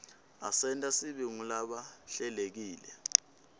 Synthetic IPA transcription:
asɛntʼasiɓiŋulaɓaɬɛlek̬iːlɛ

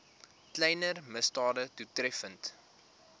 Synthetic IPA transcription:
klɛjnərməstɑːdətutrɛfənt

